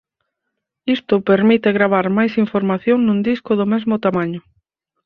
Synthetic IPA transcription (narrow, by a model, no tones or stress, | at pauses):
ist̪ʊpeɾmit̪eɣɾaβ̞aɾmajsiɱfoɾmaθjoŋnũnd̪iskʊðʊmɛzmʊt̪amaɲʊ